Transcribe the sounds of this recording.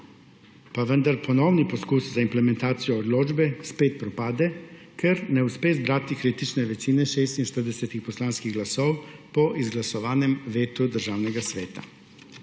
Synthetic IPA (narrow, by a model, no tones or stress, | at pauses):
paʋənd̪aɾpʰɔnɔwnipɔskuːszaimplɛmɛnt̪aːt̪sijɔːd̪loːd͡ʒbɛspeːt̪̚pɾɔpaːd̪ɛ | kʰɛɾnɛuspeːzbɾaːt̪ikɾeːt̪it͡ʃnɛʋɛt͡ʃiːnɛʃeːst̪inʃt̪əɾd̪ɛsɛt̪ixpɔslaːnskiɣɡlasɔwpɔʔizɡlasɔʋaːnɛmʋeːt̪ud̪əɾʒaːwnɛɡasʋeːt̪a̰